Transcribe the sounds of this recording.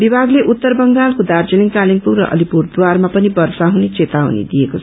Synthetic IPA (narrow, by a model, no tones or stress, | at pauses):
bibʱaɡleʔut̪ːʌrbʌŋɡalkod̪ard͡zʌniŋkaliŋpurːʌ̰ʔʌ̰lipurd̪warmapʌnibʌrsaɦunet͡set̪awnḛd̪ijekot͡sʰ